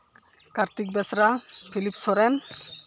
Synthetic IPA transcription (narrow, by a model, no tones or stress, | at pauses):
kaɾt̪ik̚bɛsɾapʰilipsɔɾɛn